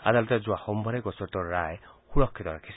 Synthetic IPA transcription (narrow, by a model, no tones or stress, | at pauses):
a̰d̪alɔt̪ed͡ʒuahɔmbʱɔɾeɡɔsɔɾt̪ɔɾajhuɾɔkʰːit̪ɔɾakʰis